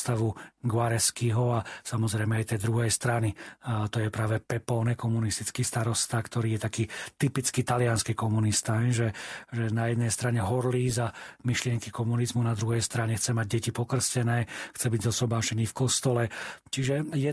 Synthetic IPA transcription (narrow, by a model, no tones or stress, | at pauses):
t̪aʋuɡʋaɾɛskiɦɔasamɔzɾɛjmɛajt̪ɛːd̪ɾuɦɛjst̪ɾanit̪ɔjɛpɾaːʋɛpɛpɔːnɛkɔmunist̪it͡skiːst̪aɾɔst̪akt̪ɔɾiːjɛt̪akiːt̪ipit͡skit̪alɪanskikɔmunist̪aɦɛʒɛʒɛnajɛd̪nɛjst̪ɾaɲɛɦɔɾliːzamiʃlɪɛŋkikɔmunizmunad̪ɾuɦɛjst̪ɾaɲɛxt͡sɛmaɟ̚ɟɛcipɔkr̩scɛnɛːxt͡sɛbiɟzɔsɔbaːʃɛniːfkɔst̪ɔlɛt͡ʃiʒɛjɛ